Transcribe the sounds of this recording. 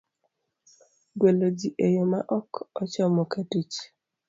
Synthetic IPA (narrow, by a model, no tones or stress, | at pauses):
ɡwelod͡ʒiʔejomaʔɔkɔt͡ʃɔmɔkatit͡ʃ